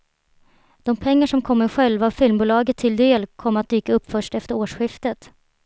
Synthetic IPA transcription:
d̪̥ɔmpʰɛŋːaʂɔmkʰɔmːəɾɧɛlvaːvfɪlmbuːlɑːɡət̪ʰːɪld̪eːlkʰɔmːɾat̪̚d̪yːkaɵpːfœʂʈɛft̪əɾoːʂɧɪft̪ət̪

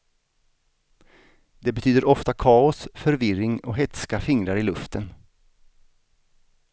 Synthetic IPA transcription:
d̪̥ɛbɛt̪ʰyːd̪əɾʔɔft̪akʰɑːʊsfœɾvɪrɪŋɔɦɛt̪skafɪŋɾaɾɪlɵft̪ʰən

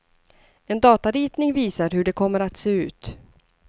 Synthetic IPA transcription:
ɛnd̪ɑːt̪aɾiːt̪nɪŋviːsaɾɦɵɖɛkʰɔmːəɾat̪seːʉ̟̰ːt̪

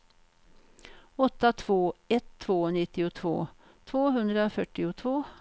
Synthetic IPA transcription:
ɔt̪ːat̪ʰvoːɛt̪ʰːvoːnɪt̪ːɪʊt̪ʰvo̰ː | t̪ʰvoːɦɵnd̪ɾəoːfœʈːɪʊt̪ʰvoː

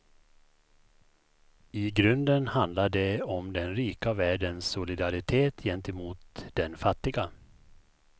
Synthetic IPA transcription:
ɪɡɾɵnd̪ənhand̪laɖɛɔmd̪ɛnɾiːkavæːɖənsːʊlɪd̪aɾɪt̪ʰeːt̪ʰjɛnt̪ɛmuːt̪d̪ɛnfat̪ːɪɡa

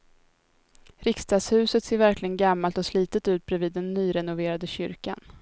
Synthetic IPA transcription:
ɾɪkst̪ɑːɡ̪shʉ̟ːsət̪seːɾvæɾklɪɡənɡamːalt̪ɔsliːt̪ət̪ʉ̟ːt̪̚bɾɛviːd̪ːɛnːyːɾɛnʊveːɾad̪əɕʏ̰ɾka̰n

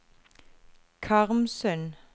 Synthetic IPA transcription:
kʰɑʁmsœn

